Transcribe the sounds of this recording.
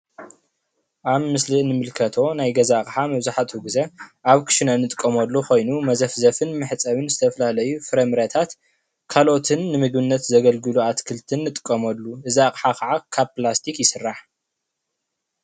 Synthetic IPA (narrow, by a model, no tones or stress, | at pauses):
ʔaβmɨslɨʔnɨmɨlkʰɐt̪ʰo̞najɡɐzakʼħamɐβzaħat̪uɡɨzɐʔaβkʰɨ̥ʃɨnɐnɨt̪ʼɨ̥kʼːɐmɐlːuko̞jnumɐzɐfzɐfɨnmɨħt͡sʼɐβɨnzɨt̪ʰɐfɐlalɐjufɨɾɐmɨɾɐt̪ʰat̪ | kʰalo̞t̪ʰɨnːɨmɨɡβɨnːɐt̪zɐɡɐlɡɨluat̪kʰɨlt̪ʰɨnːɨt̪ʼɨ̥kʼːɐmɐlːuʔɨzakʼħakʰɐʕakʰaβplast̪ʰikjɪsɨrːaħ